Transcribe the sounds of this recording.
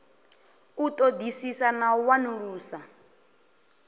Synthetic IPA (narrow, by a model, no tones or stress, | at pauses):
ut̪ʼod̪isisanawanuɺuːsa